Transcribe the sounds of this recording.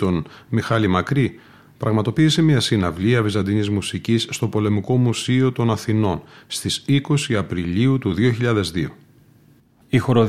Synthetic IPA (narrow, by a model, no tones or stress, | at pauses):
t̪o̞nmixɐlimɐkɾi | pɾʔɐɣmɐt̪o̞piːse̞miɐsinɐvliɐvizɐnd̪inizmusicisːt̪o̞po̞le̞miko̞musio̞t̪o̞nɐθino̞nst̪isiko̞siɐpɾiliut̪uðio̞çiʎɐðe̞zðio̞ | ixo̞ɾo